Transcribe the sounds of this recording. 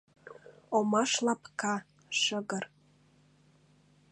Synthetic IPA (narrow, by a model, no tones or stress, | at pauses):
omɑʃlɑpkɑ | ʃəɡər